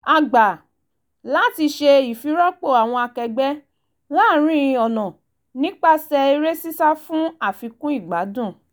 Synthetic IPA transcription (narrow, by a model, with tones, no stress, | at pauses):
a˨ɡ͡ba˨ | la˨˦ti˧ʃe˧i˨fi˨˦ɾɔ˦k͡po˦˨a˨w̃ɔ̃˧a˧kɛ˧ɡ͡bɛ˦ | laː˦˨ɾ̃ĩ˦˧ɔ˨nɔ̃˨ | nĩ˦k͡pa˦sɛ˧i˧ɾe˦si˦sa˦fũ˦a˦˨fi˨˧kũ˦i˦˨ɡ͡ba˨˦dũ˦˨